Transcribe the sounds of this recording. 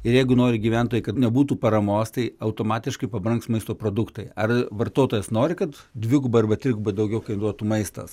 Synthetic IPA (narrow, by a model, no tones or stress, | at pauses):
ɪɾjɛɪɡʊnoːɾʲɪɡʲiːʋʲænt̪oːjɛɪkɐtnʲɛbuːt̪uːpɐɾɐmoːst̪ɐɪɐʊt̪oːmɑːt̪ʲɪʃkɐɪpɐbɾɐŋksmɐɪst̪oːpɾoːd̪ʊkt̪ɐɪɐrʋɐrt̪oːt̪oːjɛsnoːɾʲɪkɐt̪ | d̪ʲʋʲɪɡʊbɐɐrbɐt̪ʲɾʲɪɡʊbɐd̪ɐʊɡʲɛʊkɐɪnɾuɔt̪umɐɪst̪ɐ̰s